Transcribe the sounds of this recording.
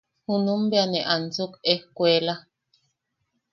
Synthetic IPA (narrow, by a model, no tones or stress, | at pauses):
hunũmbeaneʔant͡sukehkʷeːla